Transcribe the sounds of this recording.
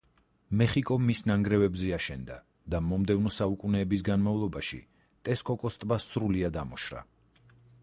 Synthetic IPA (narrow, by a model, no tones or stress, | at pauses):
mɛχikʼɔmisnaŋɡɾɛvɛbzɛaʃɛnd̪a | d̪amɔmd̪ɛvnɔsaukʼunɛːbisɡanmavlˠɔbaʃḭ | t̪ʼɛskʼɔkʼɔst̪ʼbasɾuliad̪amɔʃɾa̰